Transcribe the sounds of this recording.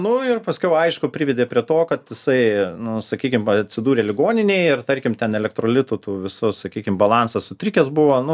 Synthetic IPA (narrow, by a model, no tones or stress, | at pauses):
nʊɪrpɐsʲkʲɛʊɐɪʃkʊpʲɾʲɪːʋʲɛd̪ʲeːpʲɾʲiɛt̪oːkɐt̪jɪsɐɪnʊsɐkʲiːkʲɪmɐt̪ʲsʲɪd̪uːɾʲeːlʲɪɡoːnʲɪnʲɛɪɪrt̪ɐɾʲkʲɪmt̪ʲɛnɛlʲɛkt̪ɾoːlʲɪt̪uːt̪uːʋʲɪsʊssɐkʲiːkʲɪmbɐlˠɑnsɐssʊt̪ʲɾʲɪkʲɛsbʊʋoːnʊ